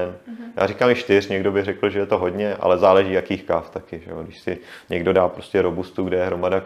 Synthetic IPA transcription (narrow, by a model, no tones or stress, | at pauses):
nja̰ːrikaːmɪʃt̪ɪr̝ɲɛɡdo̞bɪrɛkl̩ʒɛjɛt̪o̞ɦodɲɛʔa̰lɛzaːlɛʒiːjakiːxkaːft̪akɪʒɛjodɪʃsɪɲɛɡdo̞daːpɾoscɛɾobust̪uɡdɛjɛɦɾo̞mada